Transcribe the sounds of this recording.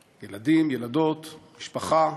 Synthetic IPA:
jeladimjelado̞t̪miʃpaχa

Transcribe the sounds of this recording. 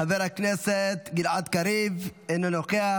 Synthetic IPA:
aveɾhakneset̪ɡilʕat̪kaɾivenonokea

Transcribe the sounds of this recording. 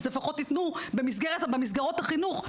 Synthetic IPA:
zlefaχo̞t̪ːitnubemisɡeʁet̪abemis̬ɡaʁo̞thaχinuχ

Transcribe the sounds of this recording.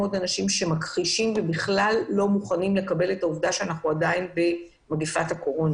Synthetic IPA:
o̞danaʃimʃe̞makʁiʃimvebiχlalːo̞muχanimle̞kabe̞le̞tauvdaʃeanaχuadainbe̞ | maɡifathako̞ʁo̞n

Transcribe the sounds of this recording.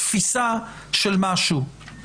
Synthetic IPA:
fisa | ʃelmaʃu

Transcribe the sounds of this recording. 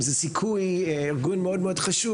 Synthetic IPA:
zɛsikʰuj | iʁɡunmeodmeod̥χaʃu

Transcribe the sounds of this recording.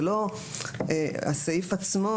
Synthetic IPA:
lo | ea̰saifat͡smo

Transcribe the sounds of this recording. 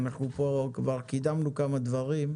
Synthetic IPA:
naχnupokvaʁkid̪amnukamad̪vaʁim

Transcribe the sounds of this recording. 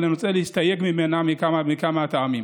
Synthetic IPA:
nɐmt͡sʼɐlistajekmimenamikamamikamataami

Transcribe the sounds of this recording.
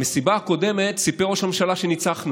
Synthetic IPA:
mesibako̞de̞me̞t̪sipeʁoʃamʃalaʃenit͡saχnu

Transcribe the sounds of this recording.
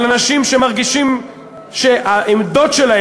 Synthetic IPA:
lanaʃimʃemaʁɡiʃim | ʃeʔaʔemd̪o̞tʃelah

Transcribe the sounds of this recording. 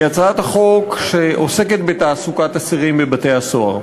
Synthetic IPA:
jat͡sat̪aχo̞kʃeʔose̞ke̞t̪̚bet̪aːsukat̪asiʁimbebat̪ejhaso̞a̰ʁ

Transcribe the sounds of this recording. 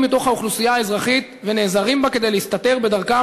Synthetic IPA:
mːit̪o̞χhauχlusijaːezʁaχit̪ve̞ne̞ːzaʁimbake̞dejleist̪at̪e̞ʁbe̞d̪aʁka

